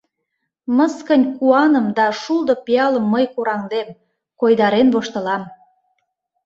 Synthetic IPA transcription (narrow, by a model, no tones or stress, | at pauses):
məskənʲkuɑnə̆md̪ɑʃuld̪opiɑləmːəjkuɾɑŋd̪em | kojd̪ɑɾenβoʃt̪ə̆lɑm